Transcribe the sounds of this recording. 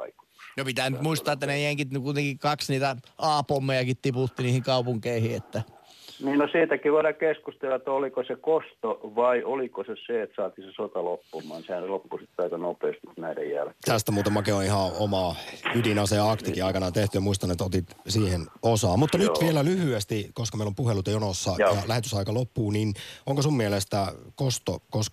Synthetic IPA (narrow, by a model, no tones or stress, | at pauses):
ɑ̰ikonopit̪æːnyt̪muist̪ɑːet̪ːænejeŋkit̪nykuit̪eŋkikkɑksniːt̪æɑːpomːejɑkit̪t̪iput̪ːiniːhiŋkɑupuŋkeihiːet̪ːæ | niːnosiːt̪ækiʋoiɾɑkeskust̪elɑt̪ːolikosekost̪oʋɑiʔolikoseseet̪sɑːt̪isesot̪ɑlopːumˑɑ̰ˑnsehænselopːusit̪ːeɑikɑnopeːst̪it̪næidḛjjæ̰lketːt̪æst̪æmuːt̪ɑmɑkeonihɑ̃omɑydinɑseɑkt̪ikiɑikɑnɑt̪eht̪yjɑmuist̪ɑnet̪ːot̪it̪siːhenosɑːmmut̪ːɑnytʋielælyhyest̪ikoskɑmeilompuhelut̪jɑjonosːɑjɑlæhet̪y̥sɑikɑlopːuːninoŋkosummielest̪ækost̪o̰kosk